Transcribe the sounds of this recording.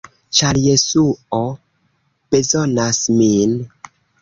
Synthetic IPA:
t͡ʃaɾjesuo | b̥ezonasmin

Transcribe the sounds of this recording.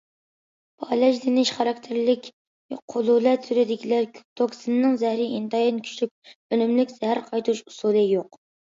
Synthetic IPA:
b̥ʰɑlɛʒlɪnɪʃχɑɾɑk̚ʲt̪ʰɪɾlɪkʲ | qʰʊlˠulɛt̪syɾɪd̪ɪkʲilæɾkʰʲy̥t̪ʰoksɨnnɨŋzæhɾɪʔint̪ʰɑjinkʲʰy̥ʃlyk̚ʲønymlɪkʲz̥ɛhæɾqʰɑjt̪ʰuʃusulˠɨjoq

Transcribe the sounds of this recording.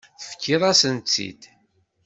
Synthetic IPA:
θəfə̥kʰːiðˤæsənt͡sːḭd̪

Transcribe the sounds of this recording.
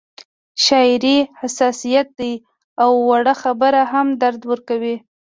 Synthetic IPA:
ʃɑɪɾihasɑsijat̪̚d̪aj | awːaɽaxabəɾaɦamd̪aɾd̪wəɾkawi

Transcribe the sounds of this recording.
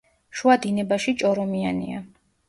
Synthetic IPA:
ʃuad̪inɛbaʃit͡ʃʼɔɾɔmianḭa̰

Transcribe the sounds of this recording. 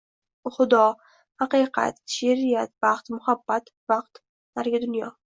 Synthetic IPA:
χʊd̪ɒ | haqɨqʰɑ̰t̪ʃeɾijat̪vaqt̪mʊhabːat̪ | vaqt̪ | naɾɡʲad̪ʊnjɒ

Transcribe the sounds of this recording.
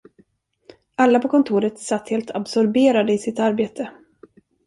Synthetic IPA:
alːapʰɔkʰɔnt̪ʰuːɾət̪sat̪ːheːlt̪ʰabsɔɾbeːɾad̪əɪsɪt̪aɾbeːt̪ʰə

